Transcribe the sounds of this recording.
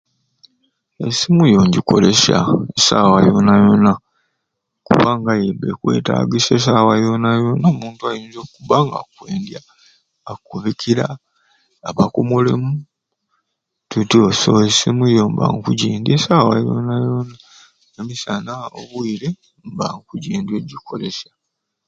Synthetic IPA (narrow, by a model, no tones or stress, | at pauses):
esimujo̞ːɲɟiko̞̰lesa̰esawajonajo̞na | kuβaŋɡajebḛkwe̞̰ːta̰ːɡises̬awajonajonoːmuːntuajiːnzokuβaŋɡa̰kwe̞ːndjaː | kuβikʰiɾaː | βakomolḛmu | tutio̞soːsimujomba̰ŋkuɟiːndesawa̰jo̰najona | emisanaoβwuiɾe | mbaŋkuɟiːndeɟikʰo̞lesḁ